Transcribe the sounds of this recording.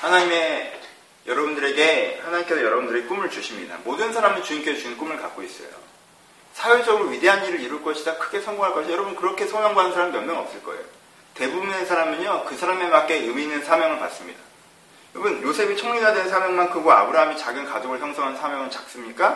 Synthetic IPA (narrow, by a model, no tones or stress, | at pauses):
hanaɲime | jʌɾʌbundɯɾe̞ɡe̞hanaɲimk͈e̞sʰʌjʌɾʌbundɯɾeɡk͈umɯɭt͡ɕuɕʰimɲḭda̰modɯnsʰaɾamɯnt͡ɕuɲimk͈e̞sʰot͡ɕunk͈umɯɭkak͈ois͈ʌ̰jo̰ | sʰajwed͡ʑʌɡɯɾoɥide̞ɦanːiɾɯɾiɾuɭk͈ʌɕʰidakʰɯ̥ɡe̞sʰʌŋɡoŋɦaɭk͈ʌɕʰijʌɾʌbunkɯɾʌkʰe̞sʰʌmjʌŋɡaanɯnsʰaɾamimjʌnmjʌŋʌp̚s͈ɯɭk͈ʌ̰e̞̰jo | te̞bubunesʰaɾamɯɲjokɯsʰaɾame̞bak͈e̞ɯminɯnsʰamjʌŋɯɭpa̰ts͈ɯmɲida | jʌɾʌbunjosʰe̞bit͡ɕʰʌŋɲidadennsʰamjʌŋmankɯɡoa̰bɯɾaɦamit͡ɕaɡɯnkad͡ʑoɡɯɭçjʌŋsʰʌŋɦanɯnsʰamjʌŋɯnt͡ɕak̚s͈ɯmɲik͈a